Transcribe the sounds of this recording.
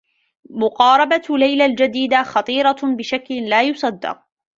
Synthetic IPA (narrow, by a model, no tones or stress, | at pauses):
mʊqɑːɾˤɑbalajlald͡ʒad̪iːd̪axɑt̪ˤiːɾˤɑbɪʃakllaːjʊsˤɑd̪ːɑ̰q̚